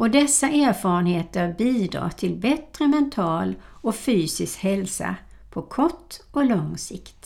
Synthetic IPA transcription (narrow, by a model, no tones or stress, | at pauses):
ɔd̪ɛsːaʔæːɾfɑːɾənheːt̪əɾbiːd̪ɾɑ̰ːʈ̪ʰɪlbɛt̪ɾəmɛnt̪ʰɑːl | ɔfyːsɪskhɛlsa̰ | pʰɔkʰɔʈːɔlɔŋːsɪkt̪